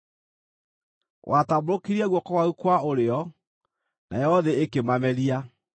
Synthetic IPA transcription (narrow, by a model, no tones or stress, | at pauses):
wʔataboɾokiɾiɛɣwɔkɔwaukwaoɾeɔ | na̰jɔɔðeekemamɛɾia